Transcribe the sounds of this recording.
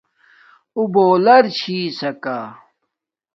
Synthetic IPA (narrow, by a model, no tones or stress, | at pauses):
uboːlɐɾt͡ɕʰiːsɐka